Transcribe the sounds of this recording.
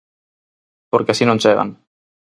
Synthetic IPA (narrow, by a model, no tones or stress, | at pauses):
poɾkeasinõnt͡ʃeɣa̰n